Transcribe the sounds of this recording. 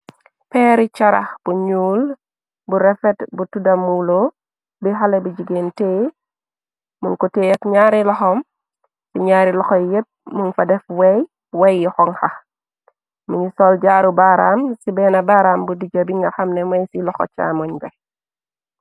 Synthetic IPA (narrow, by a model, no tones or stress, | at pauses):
pɛɾit͡ʃɐɾa̰xb̥uɲuːl | buɾɛfɛtbutudɐmulo | biɦalɛbud͡ʒiɡenteː | muŋkɔteɐkɲaɾilɔxɔm | b̥iɲaɾilɔxɔjɛp̚muŋfɐdɛfwɛj | wɛjːɔxɔŋxɐx | muɲisɔld͡ʒaːɾubaɾamsibɛnɐbaɾambudid͡ʒɐbiŋɡɐxɐmnɛmɛjsilɔxɔ̰t͡ʃa̰ːmɔɲbɛ